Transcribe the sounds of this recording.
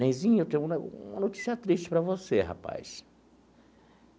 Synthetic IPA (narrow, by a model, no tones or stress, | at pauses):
ẽj̃zĩɲewt̪ẽj̃ʊ̃ũmɐnot͡ʃi̥siɐt̪ɾiʃt͡ʃɪ̥pɾɐvoseha̰pa̰js